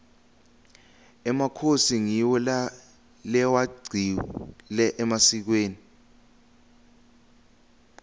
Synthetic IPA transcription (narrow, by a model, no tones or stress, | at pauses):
ɛmakʰosiŋiwɔl | lɛwaɡ͡ǀʱilɛʔɛmasik̬weːni